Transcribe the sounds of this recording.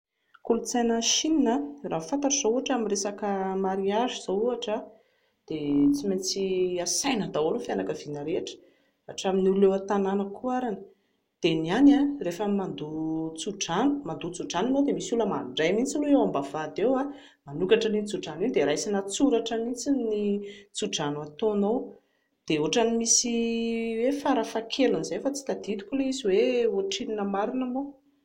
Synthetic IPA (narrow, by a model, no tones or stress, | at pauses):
kulut͡sajnəʃininəraːfant̪aʈ͡ʂuz̥ouaʈ͡ʂamiresakəmaɾiaʒiz̥ouaʈ͡ʂa | d̪̥et͡simat͡siasajnad̪awalufjanakəv̥inəɾeʈ͡ʂə̥ | aʈ͡ʂaminululewat̪ananəkuaɾanə | d̪̥enianarefəmand̪ut͡suɖ͡ʐanu̥mand̪ut͡suɖ͡ʐaninowd̪emisuləmaɳɖ͡ʐajmint͡siluewambavad̪ewa | manukaʈ͡ʂənit͡suɖ͡ʐaninid̪eɾajsinat͡suɾaʈ͡ʂəmint͡sinit͡suɖ͡ʐanuat̪onow | d̪̥eoʈ͡ʂanimisiwefaɾəfakʰelunzejfat͡si̥k̪ad̪̥it̪u̥kʲuleiziweoʈ͡ʂininəmaɾinamo